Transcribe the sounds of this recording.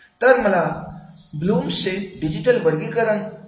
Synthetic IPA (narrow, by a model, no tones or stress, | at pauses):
t̪əɾməla | bluːmseɖid͡ʑiʈəlʋəɾɡikəɾən